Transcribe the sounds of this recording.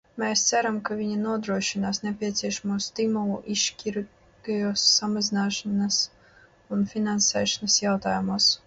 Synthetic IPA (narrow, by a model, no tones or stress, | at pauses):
mɛːst̪sæɾamkavʲiɲanuɔd̪ɾuɔʃinaːsnʲepʲiɛt̪sʲiɛʃamuɔst̪imulˠṵʔiʃkʲiɾ | ɡajuɔsːamazʲinaːʃanas | unfʲinansɛːʃanɐsjawt̪aːjumuɔs